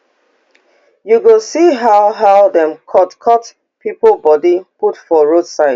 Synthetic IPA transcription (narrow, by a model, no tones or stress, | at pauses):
juɡosiɦaʊɦaʊðɛ̃mkʰɔtkʰɔt | pipl̩bɔdiputfɔɹodsaɪd